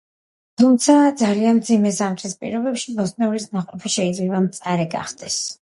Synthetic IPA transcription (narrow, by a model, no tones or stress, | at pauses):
t̪ʰumt̪sʰad̪zalianmd̪zimɛsamt̪ʼʰɾispʼḭɾɔbɛpʃibɔsʼnɛuɾisnaqʼɔpʰiʃɛid̪zlɛbamt̪sʼaɾɛɡa̰χd̪̥ɛs